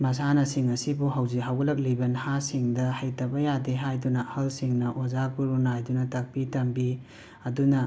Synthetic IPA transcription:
mɐs̬anɐsiŋɐsibuɦɐwzikɦawɡɐlɐk̚libɐnhasiŋdɐhɐjtɐbɐjadeɦajdunɐhɐlsiŋnɐʔozakbuɾunajdunɐtɐk̚pitɐmbi | ɐdunɐ

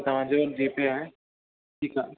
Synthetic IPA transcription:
t̪ɐʋ̤ãd͡ʑeoːɾd͡ʑiːpeaːɦe | ʈʰiːka

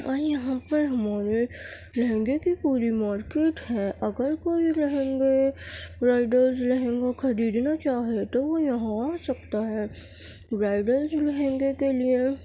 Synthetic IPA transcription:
ɔːɾjɐɦãpəɾɦɐmaːɾe | ɾɐɦẽːŋɡekipuːɾimaːɾkeːʈɦɛːʔɐɡəɾkoːiɾɐɦẽːŋɡeɾaːɪɖəlzlɛɦẽːŋɡakʰɐɾiːd̪nat͡ʃaːɦiet̪oʋojɐɦãosɐkt̪aɦɛː | ɾaːɪɖəlzlɛɦẽːŋɡekelie

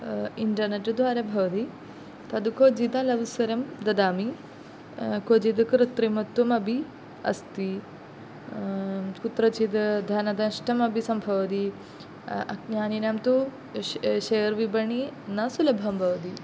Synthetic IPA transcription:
iɳʈɐɾneʈd̪ʱʋaːɾɐbʱɐʋɐd̪i | t̪ɐd̪ukod͡ʒid̪ɐlɐʋsɐɾɐmd̪ɐd̪aːmi | kod͡ʒid̪kɾɨt̪ɾimɐt̪ːwɐmɐbʱi | ɐ̰st̪i | kut̪ɾɐt͡ʃid̪d̪ʱanɐd̪ɐnʂʈʰɐmɐbʱisɐmbʱɐʋd̪i | ɐ̰k̚njaːninɐmt̪u | ʃejɐɾʋibɐɳinɐsulɐbʱɐmbʱɐʋɐd̪i

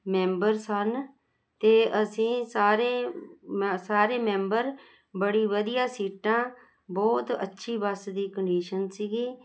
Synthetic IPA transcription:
mɛ̃ːmbəɾsən | t̪eːʔəsĩːsaːɾẽː | saːɾeːmɛ̃ːmbəɾ | bəɽiːʋəd̪ɪjaːsiːʈãː | bɔːt̪ə̰tːʃʰiːbəsd̪iːkəɳɖiːʃənsiːɡiː

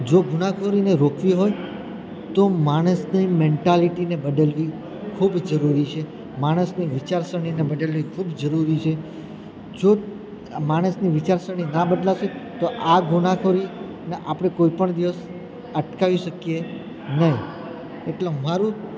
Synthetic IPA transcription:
d͡ʒoɡuɽ̃akʰoɾineɾokʰʋiɦoj | t̪omaɽ̃əsnimeɳʈaliʈinebəd̪əlʋi | kʰubd͡ʒəɾuɾit͡ʃʰe | maɽ̃əsniʋɪt͡ʃaɾsəɽ̃inebəɖ̪əlʋikʰubd͡ʒəɾuɾit͡ʃʰe | d͡ʒo | maɽ̃əsniʋɪt͡ʃaɾsəɽ̃inabəd̪laset̪oʔaɡʱunakʰoɾi | neʔapɽ̃ekoipəɳd̪iʋəs | əʈkaʋiʃəkije | nəɦi | eʈlemaɾũ

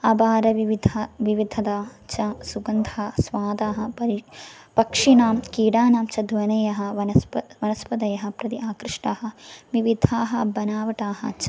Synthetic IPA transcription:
ɐbaːɾɐʋiʋid̪ʱɐʋiʋid̪ʱɐd̪at͡ʃɐsuɡɐnd̪ʱɐɐsʋaːd̪aːɦɐ̆pɐpɐkʂinaːmkiːɽaːnaːmt͡ʃɐd̪ʋɐnɐjɐɦɐ̆ʋɐnɐʋɐnɐspɐd̪ɐjɐɦɐ̆pɾɐt̪iʔaːkɾɪʂʈaːɦɐ̆ʋiʋid̪ʱaːɦɐ̆bɐnaːʋɐʈaːɦɐ̰̆t͡ʃ

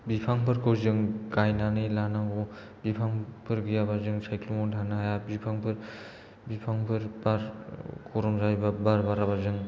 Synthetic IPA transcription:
bipʰaŋpʰɯɾkɯwzɯŋkajnanɯjlanaɡɔ | bipʰaŋpʰɯɾɡɯjabazɯŋsajklɔmɔndʰʱanajabipʰaŋpʰɯɾ | bipʰaŋpʰɯɾbaɾkʰɔɾɔmzajbabaɾbaɾabazɯŋ

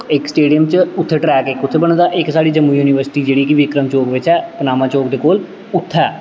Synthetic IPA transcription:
ɪksʈeːɖijəmt͡ʃʊt̪ʰːeːʈɾɛːkɪkʊt̪ʰːeːbəɳ̃d̪aːʔɪksaːɽiːd͡ʒəmːuːjuːnɪʋəɾsɪ̥ʈiːd͡ʒeːɽiːkɪʋɪkɾəmt͡ʃoːkʋɪt͡ʃɛːpnaːmãːt͡ʃoːkd̪eːkoːl | ʊt̪ʰːɛː

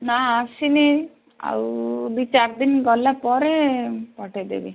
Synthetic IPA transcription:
naasini | a̰wbit͡ʃaɾd̪inɡɔlːapɔɾepɔʈed̪ḛbi

